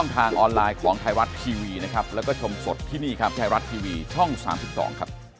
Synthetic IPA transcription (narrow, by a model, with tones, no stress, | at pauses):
ŋt̪ʰaː˧ŋʔɔː˧nlaː˧jkʰɔː˩˦ŋt̪ʰaː˧jɾa˦˥t̪̚k̪ʰiː˧wiː˧na˦˥kʰɾa˦˥p̚lɛː˦˥wkɔː˥˩t͡ɕʰo˧mso˨˩t̪ʰːiː˥˩niː˥˩kʰa˦˥p̪̚ːʰaː˧jɾa˦˥t̪̚t̪ʰiː˧wiː˧t͡ɕʰɔ˥˩ŋsa̰ː˩˦msi˨˩p̚sɔ̰ː˩˦ŋkʰɾa˦˥p̚